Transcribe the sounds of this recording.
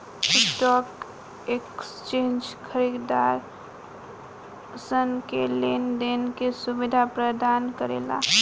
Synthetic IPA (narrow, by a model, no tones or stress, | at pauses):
ʈikʈɔk | ekst͡ʃẽnd͡ʒkʰəɾid̪aɾ | sənkelenɖenkesubid̪ʱapɾəd̪ankəɾḛla̰